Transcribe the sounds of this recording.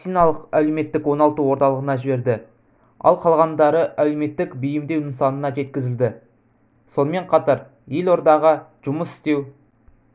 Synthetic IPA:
sijnɑlˠəqæleme̞t̪ːɪkwo̞nɑlˠt̪uwo̞ɾt̪ɑlˠəʁənɑʒɪbe̞ɾd̪ɪ | ɑ̰lˠqʰɑlˠʁɑnd̪ɑɾəʔæleme̞t̪ːɪkbijɪmd̪e̞wnɪnsɑnənɑʒe̞t̪̚kʲɪzɪld̪ɪ | so̞nəme̞ɴqʰɑt̪ɑɾ | jelˠo̞ɾd̪ɑʁəʒ̥ʊməsɪ̥st̪e̞w

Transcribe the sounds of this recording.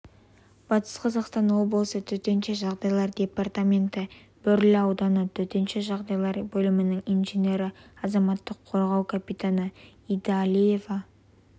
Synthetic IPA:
b̥ɑt̪ə̥sqʰɑzɑqst̪ɑnwo̞bllˠsət̪ʰɵt̪e̞nʃeʒɑʁd̪ɑjlˠɑɾd̪ʲe̞part̪amʲe̞nt̪ɪ | b̥ʏɾlɪɑwd̪ɑnət̪ʰɵt̪e̞nʃe̞ʒɑʁd̪ɑjlˠɑɾbɵlɪmɪnɪŋinʒenʲe̞ɾɪɑzɑmɑt̪ːəqʰo̞ɾʁɑwkʲʰapit̪anəid̪ɑlʲije̞vɑ

